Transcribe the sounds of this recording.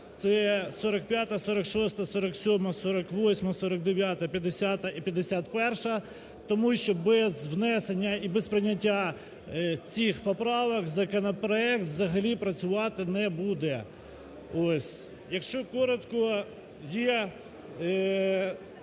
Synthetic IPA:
t̪sɛsɔɾɐkpʲjat̪ɐsɔɾɐkʃɔst̪ɐsɔɾɐksʲɔmɐsɔɾɐkʋɔsʲmɐsɔɾɐk̚d̪eʋʲjat̪ɐpʲjɐd̪esʲat̪ɐʔipʲjɐd̪esʲat̪pɛrʃɐ | t̪ɔmuʃt͡ʃɔbɛzwnɛsenʲːɐibɛspɾɪnʲːɐtʲːa | t͡sʲixpɔpɾɑʋɐkzɐkɔnɔpɾɔɛk̚t̪ʋzɐɦɐlʲipɾɐt͡sʲʊʋɑt̪ɪnɛbud̪ɛ | osʲ | jɐkʃt͡ʃɔkɔɾɔt̪kɔ | je

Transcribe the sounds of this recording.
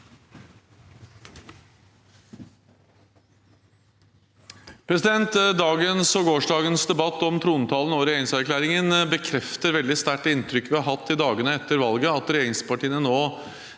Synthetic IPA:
pʰɾɛsɪd̪ɛnt̪d̪ɑːɡənsɔɡoːʂɖɑːɡənsd̪ɛbɑt̪ːɔmt̪ʰɾuːnət̪ʰɑːlən̩ɔɾɛjeːɾɪŋsæɾklæːɾɪŋənbəkʰɾɛft̪əɾʋɛld̪ɪst̪æʈːɪnt̪ʰɾʏkːʋɪhɑɾɦɑt̪ʰːɪd̪ɑːɡənəɛt̪ːəɾʋɑlɡəɑt̪ɾɛjeːɾɪŋspɑʈiːənənoː

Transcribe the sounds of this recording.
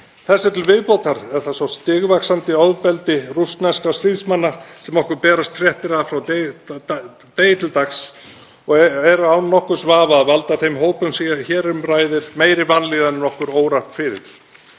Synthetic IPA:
θɛsːaɾ̥t̪ʰɪlvɪðpowt̪aɾɛðθasɔst̪ɪːɣvaksant̪ɪɔðpɛlt̪ɪrust̪nɛskast̪iðsmanːasɛmɔhkʏɾpɛːɾast̪ʰːɾjɛht̪ɪɾaðfɾawt̪ | t̪eːjɪt̪ʰɪlt̪aks | ɔɣɛɾʏawnnɔhkʏɾ̥svaːvaːðvalt̪aθejmɦoːwpʏmsiaçɛːɾʏmraːjðɪɾmeːjɾɪvanliːðanɪnɔhkʏɾoːwɾahp̪fɪɾɪ̰ɾ̥

